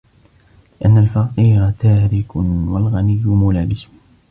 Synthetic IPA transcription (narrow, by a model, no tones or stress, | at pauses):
lɪʔanːalfɑqiːɾat̪aːɾɪkʊwalɣanɪjːʊmʊlaːbɪs